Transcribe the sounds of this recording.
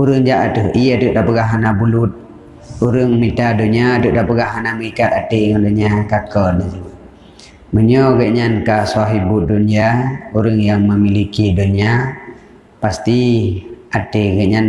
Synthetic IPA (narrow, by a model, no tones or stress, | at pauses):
uɾəŋd͡ʒaʔat̪əhiatuʔdaʔpəɡaɦanabulut̪̚ | uɾəŋmit̪aduɲiaduʔdaʔpəɡaɦanaməikat̪at̪eŋanduɲiakakɔdəd͡ʒi | məɲɔɡəʔɲankasuaɦibuduniauɾəŋjaŋməmilikidunia | past̪i | ʔat̪eɡəʔɲan